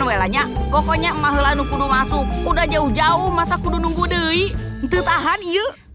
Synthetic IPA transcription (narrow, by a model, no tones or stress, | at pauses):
nwɛlaɲapɔkɔɲamaɦəlanukudumasuk̚udahd͡ʒauhd͡ʒauhmasakudunuŋɡudəi | nt̪ɨt̪aɦaniə